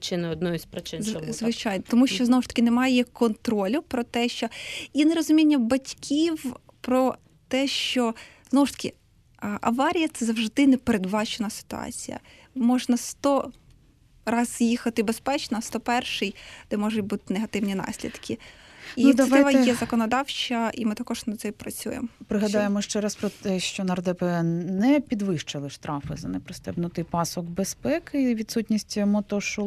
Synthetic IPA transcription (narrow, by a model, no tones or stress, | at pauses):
t͡ʃɪnɪɔd̪nɔjɪsʲpɾɪt͡ʃɪnzzʋɪt͡ʃɑjnɐt̪ɔmuʃt͡ʃt͡ʃɔznɔʋʊʃt̪ɐ̥kʲɪnemɑjɛkɔnt̪ɾɔlʲʊpɾɔt̪ɛʃt͡ʃɔinɛɾɔzʊmʲinʲːɐbɐtʲkʲʰiw | pɾɔ | t̪ɛʃt͡ʃɔ | znɔwʊʃt̪ɐ̥kʲɪ | ʔɐ̰ʋɑɾʲijɐt̪sɛzɐwʒd̪ɪnɛpeɾed̪bɑt͡ʃenɐsɪ̥t̪ʊ̰ɑ̰t͡sʲijɐ̰ | mɔʒnɐst̪ɔ | rɑzjixɐt̪ɪbespɛt͡ʃnɔst̪ɔpɛrʃɪjd̪̥ɛmɔʒʊtʲbut̪ɪ̥neɦɐt̪ɪwnʲinɑ̰sʲlʲḭd̪kʲiinud̪ʲɐɪʋɐjɛzɐkɔnɔd̪ɑwt͡ʃɐʔimɪt̪ɐkɔʒ̥nɐsɛjpɾɐt͡sʲṵjḛmɔpɾɪɦɐd̪ɑjemɔʃt͡ʃɛɾɐspɾɔt̪ɛʃt͡ʃɔnɐrd̪ɛpɛnɛpʲid̪ʋɪʃt͡ʃɪlˠɪʃt̪ɾɑfɪ̰zɐnɛpɾɪst̪ɛbnʊt̪ɪjpɑsɔɡbespɛkɪʋʲid̪sutʲnʲisʲtʲmɔt̪ɔʃɔ